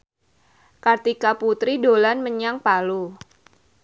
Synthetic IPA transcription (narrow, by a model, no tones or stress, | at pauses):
kart̪ikaput̪ɾidolanməɲaŋpalu